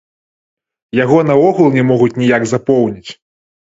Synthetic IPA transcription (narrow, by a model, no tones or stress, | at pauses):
jaɣɔnɐɔɣulˠnʲɛmɔɣut͡sʲnʲijaɡzapɔwnʲit͡sʲ